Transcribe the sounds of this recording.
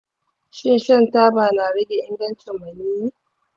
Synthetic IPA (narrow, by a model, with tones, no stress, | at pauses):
ʃɪ˦nʃɐ˦ntaː˦baː˨naː˨ɽɐ˦ɡʲe˨ʔɪ˦ndɐ˦nt͡ʃɪ˨mːɐ˨niː˦i˦